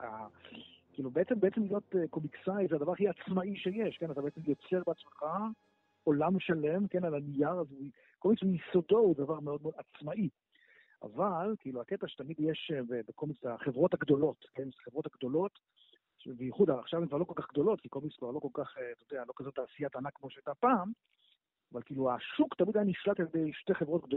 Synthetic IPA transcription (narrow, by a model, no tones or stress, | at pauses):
a | kiːlubeet͡sembeet͡semlijo̞teko̞miksajzeadavaʁaχiat͡smaiʃejeʃkenat̪abeet͡semjot͡se̞ʁbeat͡smeχa | olamʃalemke̞nalanijaʁazui | komiksmjisodo̞wddavaʁmeo̞d̪̚meodat͡smaʔi | ʔa̰valkiːluaket̪aʃe̥t̪amid̪jeʃebebekomit͡staχevʁo̞thaɡd̪o̞lo̞tkensχevʁo̞taɡd̪o̞lo̞t | ʃebejiχudaaχʃavemkvaʁlokolkaχɡd̪o̞lo̞t̪̚kikolmiskvaʁlo̞ko̞lkaχet̪ojod̪ealo̞kazot̪ːaːsijat̪anakmo̞ʃeajtapaːm | avalkiːluaʃukt̪amid̪ajaniʃlateljed̪ejʃte̞χevʁo̞t̪ɡ̚d̪o